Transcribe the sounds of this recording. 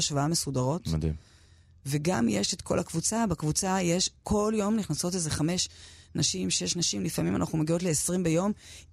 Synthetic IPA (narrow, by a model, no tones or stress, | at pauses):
aʃvaamesudaʁo̞tmd̪ḭm | ve̞ɡa̰mjeʃetkʰo̞lakvut͡sabekvut͡sajeʃkʰo̞ljo̞mniχnaso̞tlezeχame̞ʃnaʃimʃejeʃnaʃimlifamima̰naχnumeɡio̞tleːsʁimbejo̞m